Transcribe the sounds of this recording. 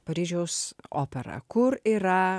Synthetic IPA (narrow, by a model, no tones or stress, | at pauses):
pɐɾʲiːʒʲɛʊso̰ːpʲɛɾɐ̰kʊɾiːɾɐ